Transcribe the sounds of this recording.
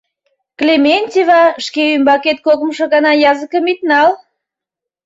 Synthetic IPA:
klemʲenʲt̪ʲivɑʃkeymbɑket̪̚kokməʃɤ̆ɣɑnɑjɑzəkəmit̪nɑl

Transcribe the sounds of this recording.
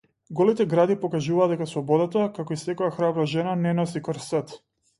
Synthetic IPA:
ɡɔlit̪ɛɡɾad̪ipɔkaʒuvaːd̪d̪ɛkasˠɔbɔd̪at̪akakɔisɛkɔjaxɾabɾaʒɛnanɛnɔsikɔɾsət̪

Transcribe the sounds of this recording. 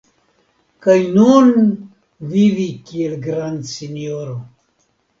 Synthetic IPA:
kajnun | vivikielɡɾand̪sinioɾo

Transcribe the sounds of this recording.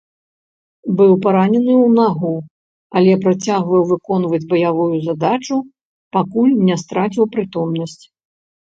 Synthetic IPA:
bɨwpaɾanʲɛnɨwnaɣu | ɐlʲɛpɾat͡sʲaɣvɐwvɨkɔnvɐd͡zʲbɐjavujuzad̪at͡ʂu | pakulʲnʲɛst̪ɾat͡sʲiwpɾɨt̪ɔmnɐsʲt͡sʲ

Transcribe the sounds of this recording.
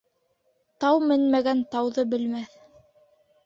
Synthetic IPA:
t̪ɑwmɘnmæɡænt̪ɑwðɤbɘ̆lmæθ

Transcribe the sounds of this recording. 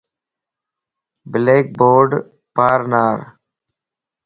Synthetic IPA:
bɪleːk̚boːɖ | paːɾnaːɾ

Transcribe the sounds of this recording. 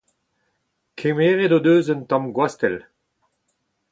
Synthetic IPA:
kʰemeːʁedod̪øːzəntɔ̃mɡwast̪ɛl

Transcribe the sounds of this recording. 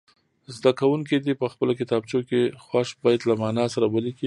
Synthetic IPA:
zd̪akawuŋkid̪ipəxpəlokɪt̪ɑb̚t͡ʃokexwaʃbɑjad̪lamɑnɑsaɾawəliki

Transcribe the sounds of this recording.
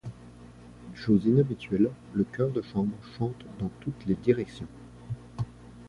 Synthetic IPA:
ʃozinabit̪ɥɛl | ləkʲœʁd̪əʃɑ̃bʁʃɑ̃t̪d̪ɑ̃t̪ut̪led̪iʁɛksjɔ̃

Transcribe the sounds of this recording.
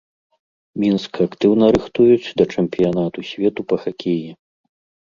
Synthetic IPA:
mʲinskɐakt̪ɨwnɐɾɨxt̪ujut͡sʲd̪ɐt͡ʂɛmʲpʲijanat̪usʲvʲɛt̪upɐxakʲʰeji

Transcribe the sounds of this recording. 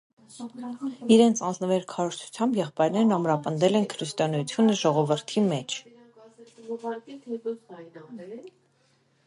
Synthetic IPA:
iɾɛnt͡sʰɑnd͡znəvɛɾkʰɑɾɔɾt͡ʃʰu̥t͡sʰjɑmbjɛχpɑjɾnɛɾnɑmɾɑpənd̪ɛlɛnkʰɾist̪ɔnɛjut͡sʰjunəʒɔʁɔvəɾt̪ʰimɛt͡ʃʰ

